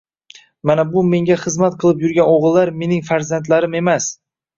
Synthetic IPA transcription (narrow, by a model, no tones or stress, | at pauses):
manabʊme̞ŋɡʲaχɨzmat̪̚qʰɨlˠɪpjʊɾɡʲanoʁɨlˠːaɾme̞nɪŋfaɾzant̪laɾɪme̞mas